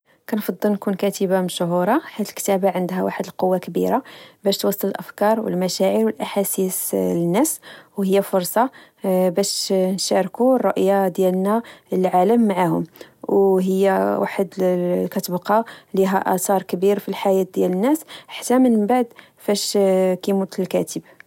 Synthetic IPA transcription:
kænfɑd̪ˤːəlnkunkæt̪əbamʃʊɦuɾˤɑħat̪əlkt̪æbaʕənd̪ɦæwa̰ħəd̪əlqowːakbḭɾabæʃt̪wɑsˤːələlʔəfkɑɾˤwə̰lmæʃæʕiɾwəlʔaħasislənːæswhəjːæfʊɾˤsˤɑ | bæʃnʃɑɾkurˤːoʔjːad̪jælnælʕaləmːaʕahʊmwɦəjːæwa̰ħəd̪kæt̪əbqɑliɦæ̰ʔæ̰t̪ɑɾˤkbiɾfilħajæt̪̚d̪jælənːæsħḁt̪ːæmənmbaʕd̪ | fæʃkimut̪əlkæt̪əb

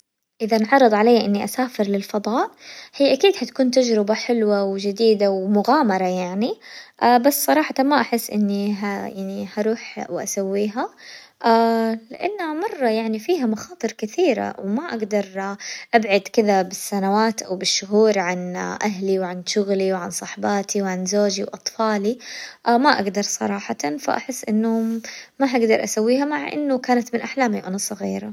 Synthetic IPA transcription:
ʔɪðanʕɑrˤɾˤɨd̪ˤʕalajːaʔɪnːiʔasaːfɪɾlɪlfɑðˤɑːʔhiːʔakiːd̪hat̪ḁkuːnt̪ad͡ʒɾɪbaħɪlwawd͡ʒɪd̪iːd̪awmʊɣaːmɑɾˤɑjaʕniʔaːbassˤɑɾˤɑːħɑt̪amaʔaħɪsːʔɪ̰nːiɦajaʕnihɑɾˤuːħwʔa̰sawːiːɦa | ʔalɪʔanːhamɑrˤːɑjaʕnifiːɦamaxɑːt̪ˤɨɾkɪθiːɾa̰wmaʔaɡd̪ɑɾˤʔabʕad̪kɪðabɪsːanawaːt̪ʔawbɪʃːʊɦuːɾʕanʔaɦliwʕanʃʊɣliwʕansˤɑħbɑːt̪ʰiwʕanzoːd͡ʒiwʔɑt̪ˤfɑːliʔamaʔaɡd̪ɑɾˤsˤɑ̰ɾˤɑːħɑt̪ɑnfa̰ʔa̰ħɪsːʔɪnːʊmaɦaɡd̪ɑɾˤʔasawːiːɦamaʕʔɪ̰nːʊkaːnat̪mɪnʔaħlaːmiwʔanasˤːɑɣiːɾa

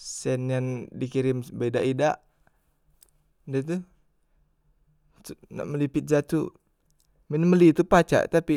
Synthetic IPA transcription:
sɛnjandikiɾɪmbedaʔidaʔ | dɛt̪̬u | t̪una̰ʔməlipɪt̪̚d͡ʒat̪u | minməlit̪upat͡ʃa̰ʔt̪api

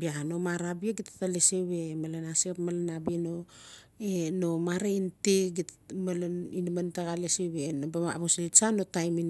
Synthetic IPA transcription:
biaano̞maɾabieɡitḁtaleseβe̞malanasepmalanabieno | eno̞maɾainteɡi | malinmantaɡaleseβenobama̰βoslit͡ʃano̞tajmin

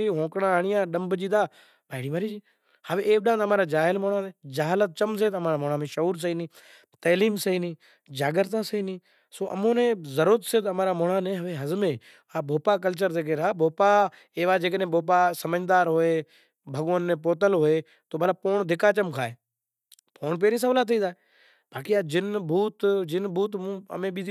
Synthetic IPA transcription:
iːɦõːkɽãːɳiːãːɗəmbd͡ʒiːd̪aː | baːɪɽiːʋaːɾiːd͡ʒiː | haːʋeeːkɗãːnəmãːɾaːd͡ʒaːɦɪlmoːɳaːnẽːd͡ʒaːɦlət̪̚t͡ʃəms̬eːt̪əmaːɾaːmoːɳaːmẽːʃəuːɾs̬əiːnĩː | t̪əːliːmsəiːnĩː | d͡ʒaːɡəɾt̪ãːsəĩːnĩː | soːʔə̰mõːnẽːzəɾut̪seːt̪əmãːɾaːmoːɳaːnẽːɦəʋeːɦəzmẽː | aːbʱoːpaːk̬əlt͡ʃəɾd̪eːk̬eɾaːbʱoːpa | eːʋaːd͡ʒeːknẽːbʱoːp̬aːsəməd͡ʒd̪aːɾɦoːeː | bʱəɡʋənːẽːpoːt̪̬əlɦoːeː | t̪oːmət̪ləb̚poːɳd̪ʱɪkaːt͡ʃəmkʰaːeː | poːɳp̬eːɾiːs̬əʋlaːt̪ʰiːd͡ʒaːe | baːkiaːd͡ʒɪnbʱuːt̪d͡ʒɪnbʱuːt̪mũːə̰mẽːɓiː

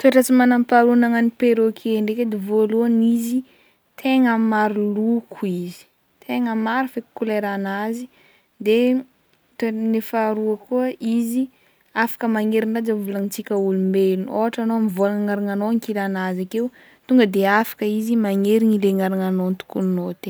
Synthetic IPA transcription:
t̪ueʈ͡ʂət͡simanampaɾunaŋanipeɾokʰeɳɖ͡ʐeked̪evoluanizi | t̪ʰeŋəmaɾilukʰuizi̥ | t̪ʰeŋəmaɾifeku̥kuleɾanazi | d̪e | t̪enefaɾuəkuəʔizi | afḁkəmaŋeɾinɖ͡ʐad͡ʒavulaŋt͡sikʲəulumbelunoɦaʈ͡ʂanoamivolanŋaɾaŋanoŋkilanazakew | t̪uŋɡəd̪eafḁkəizimaŋeɾiɲileŋaɾaŋanont̪u̥kuninot̪e

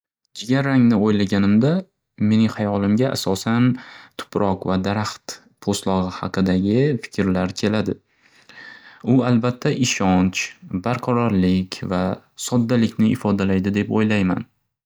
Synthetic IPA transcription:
d͡ʒɪɡʲaɾaŋnɪojlaɡʲanɪmd̪a | me̞nɪŋχajɒlˠɪmɡʲaʔa̰sɒsant̪ʰʊ̥pʰɾʔɒqvad̪aɾaχt̪ | pʰost̪lˠɒʁɨhɑ̰qʰɨd̪aɡʲɪfɪ̥kʲʰɾlaɾkʲʰe̞lad̪ɪ | ʊalbat̪ʰːaʔɪʃɒnt͡ʃbaɾqʰɑɾɒɾlɪkʲvasɒd̪ːalɪkʲnɪɪfɒd̪alajd̪ɪd̪e̞pojlajma̰n

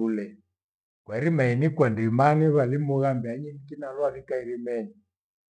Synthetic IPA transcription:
ulɛ | kwaɾimainikwandimaniβalimuɣambiaɲinikinalwalikaiɾimɛni

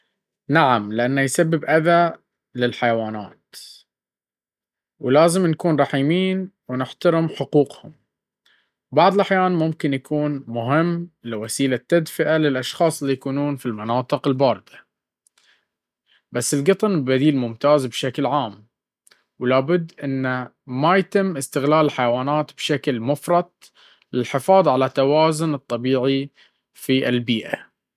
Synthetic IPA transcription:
naʕamlɪʔanːajsabːɪbʔaða | lɪlħajawaːna̰ːt̪ | wlaːzɪmnkuːnɾˤɑħiːmiːnwnɪħt̪aɾɪmħʊquːqhʊm | bɑʕd̪ˤlʔaħjaːnmʊmkɪnjakʰuːnmʊɦɪmːlɪwasiːlat̪ːad̪fɪʔalɪlʔɑʃxɑːsˤɪlːijakuːnuːnfilmanɑːt̪ˤɨqɪlbɑːɾɨd̪ḁ | basːɪlɡɨt̪ˤnbad̪iːlmʊmt̪aːzbʃaklʕaːm | wlaːbʊd̪ːʔɪnːa | majat̪ɪmːʔɪst̪ɪɣlaːlħajwaːnaːt̪bʃaklmʊfɾˤɑd̪̚ˤ | lɪlħɪfɑːðˤʕalat̪ːawaːzʊnɨt̪ˤːɑbiːʕi | fiʔɪ̰lbiːʔa

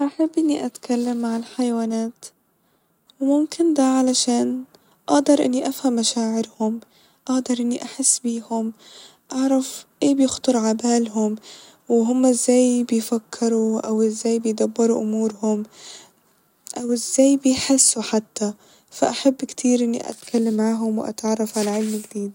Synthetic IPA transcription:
ʔaħabːʔɪnːiʔat̪kʰalːamːaʕɪlħajwaːnaːt̪ | wmʊmkɪnd̪aʕalaʃaːn | ʔaʔd̪ɑɾˤʔɪ̰nːiʔafhamːaʃaːʕɪɾhʊm | ʔaʔd̪ɑɾˤʔɪnːiʔaħɪsːbiːhʊm | ʔaʕɾˤɑfʔeːbjɪxt̪ˤʊɾˤʕabaːlɦʊm | wɦʊmːaɪzːaːjbɪjfakʰːɾuʔawɪzːaːjbɪjd̪abːɑɾuʔʊmuːɾhʊm | ʔawɪzːaːjbɪjħɪsːuħat̪ːa | faʔaħabːkt̪ʰiːɾʔɪnːḭʔa̰t̪kʰalːamːʕaːɦʊmwʔa̰t̪ʕrˤːafʕalaʕɪlmɪɡd̪iːd̪

